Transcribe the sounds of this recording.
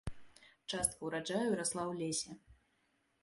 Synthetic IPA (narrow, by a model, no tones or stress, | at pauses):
t͡ʂast̪̚kɐwɾad͡ʐajuɾaslˠawlʲesʲɛ